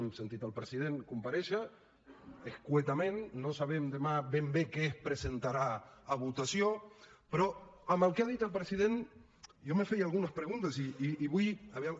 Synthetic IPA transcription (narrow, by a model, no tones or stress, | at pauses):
msent̪it̪alpɾesið̞eŋkumpaɾeʃa | eskwet̪amẽnːosaβemd̪emaβembekespɾesent̪aɾaaβut̪asjopɾoamalkeað̞it̪alpɾesiðen | jomefejalɣ̞unaspɾeɣ̞unt̪asiːβujaβea